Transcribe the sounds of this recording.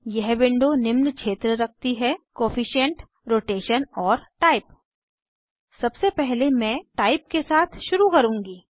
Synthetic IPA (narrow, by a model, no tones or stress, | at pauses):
jɛɦbɪ̃ɳɖonɪmnt͡ʃʃʰeːt̪ɾəɾɐk̚ʰt̪iɦɛkoːfɪʃə̃ɳʈ | ɾoːʈeːʃənɔːɾʈaːɪp | sɐbsepɛɦlemɛ̃ʈaːɪp̚kesaːt̪ʰʃʊɾukɐɾũːŋɡiː